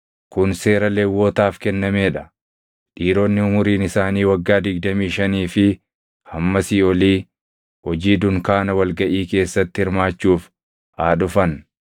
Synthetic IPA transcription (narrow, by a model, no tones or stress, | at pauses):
kʊnse̞ːɾɐleːwoːt̪aːfkɛnːɐmeːᶑɐ̥ | ᶑiːɾoːnːɪʊmʊɾiːnɪsaːniːwɐɡːaːd̪ɪɡ̚d̪ɐmiːʃɐniːfɪ | hɐmːɐsiːɔliː | hɔd͡ʒiːd̪ʊŋkaːnɐwɐlɡɐʔiːke̞ːsːɐt̪ːɪhɪɾmaːt͡ʃːuːf | aːᶑʊfɐn